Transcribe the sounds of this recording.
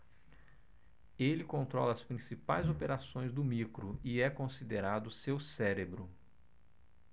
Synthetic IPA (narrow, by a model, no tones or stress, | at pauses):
elɪkõnt̪ɾɔlɐːspɾĩsipajzopeɾasõj̃zd̪ʊmikɾʊɪɛkõsid̪eɾad̪ʊsewsɛɾebɾʊ